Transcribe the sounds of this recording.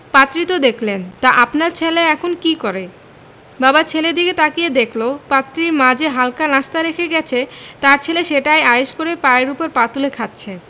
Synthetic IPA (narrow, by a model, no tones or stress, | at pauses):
pat̪ːɾit̪od̪ekʰlent̪aʔapnaɾt͡ɕʰeleɛkʰonkikoɾe | babat͡ɕʰeled̪iket̪akijed̪ekʰlopat̪ːɾiɾmãd͡ʑʱeɦalkanaʃt̪aɾekʰeɡɛt͡ɕʰet̪aɾt͡ɕʰeleʃeʈajaeʃkoɾepaɾeɾupoɾpat̪ulekʰat̪ːt͡ɕʰe